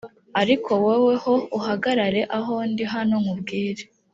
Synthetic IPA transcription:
aɾikʰo̞wewe̞ho̞uɦaɡaɾaɾe̞ʔaɦondiɦanoŋubɡiːɾe

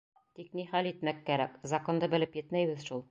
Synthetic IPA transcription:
t̪ik̚niχælit̪mækːæɾækzɐko̞nd̪ɤbɘ̆lɘpjɘ̆t̪mæjβɘ̆ðʃulˠ

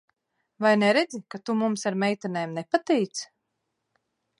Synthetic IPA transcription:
vajnɛɾɛd̪zikat̪umumsaɾmɛjt̪anɛːmnɛpat̪ɛjt̪s

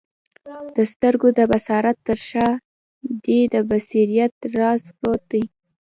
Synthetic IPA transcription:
d̪̥əst̪əɾɡod̪əbasɑɾat̪ːəɾʃɑ | d̪ed̪əbasiɾijat̪̚ɾɑspɾot̪̚d̪əj

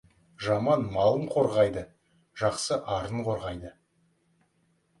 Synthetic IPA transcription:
ʒɑmɑnmɑlˠəɴqʰo̞ɾʁɑjd̪ə | ʒ̥ɑqsəʔɑɾəɴqʰo̞ɾʁɑjd̪ə

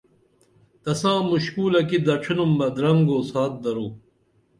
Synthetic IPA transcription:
t̪ɐsãːmuɕkuːlɐkid̪ɐʈ͡ʂʰinumbɐd̪ɾɐŋɡoːsaːt̪̚d̪ɐɾuː

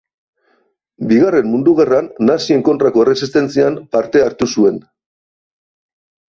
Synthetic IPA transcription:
biɣare̞mːund̪uɣ̞eranːasie̞ŋko̞nt̪ɾako̞eresist̪e̞nt͡siampaɾt̪e̞aɾt̪usue̞n

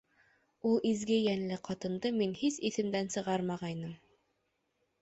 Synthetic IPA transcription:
ulˠʔizɡɘjænlɘqɑt̪ɤ̆nd̪ɤminhisiθɘ̆md̪ænsɤ̆ʁɑɾmɑʁɑjnɤm

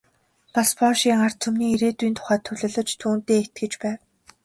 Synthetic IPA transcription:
paspɔʃiːŋar̥t̪ʰːɵmniːiɾeːt̪uiːnt̪ʰʊ̥χæːt̪ʰːʊɮɘ̆ɮə̆t͡ɕt̪ʰuːnt̪eːet̪̚ɡɘ̆t͡ɕpæːw

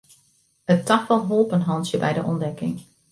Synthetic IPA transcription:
ətɑxfɑnɦolˠpənɦɑntjəbɛ̰jdəʔɔndɛkɪ̰ŋ

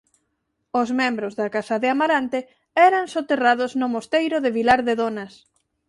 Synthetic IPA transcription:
ozmɛ̃mbɾozðakasaðɪamaɾant̪e | ɛɾaŋsot̪erað̞ʊznʊmost̪ejɾʊðeβilaɾðeðonas

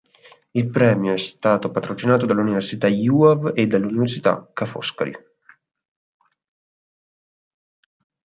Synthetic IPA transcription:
ilpɾɛːmjoɛst̪aːt̪opat̪ɾot͡ʃinaːt̪od̪alːuniversit̪ajuːaved̪ːalːuniversit̪a̰kːafɔ̰ska̰ɾḭ

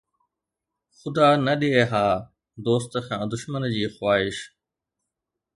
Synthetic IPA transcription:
xʊd̪aːnɐɗieːɦaː | d̪oːst̪kʰãːd̪ʊʃmənd͡ʑiːxwaːɦɪʃ

